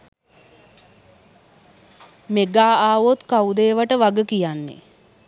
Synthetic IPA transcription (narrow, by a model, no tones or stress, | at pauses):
meɡaːaːʋot̪kawd̪eːʋaʈəʋaɡəkijanːḛ